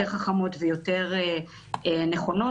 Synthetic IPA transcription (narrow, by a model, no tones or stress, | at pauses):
eʁχaχamo̞tvejo̞te̞ʁe | eneχo̞no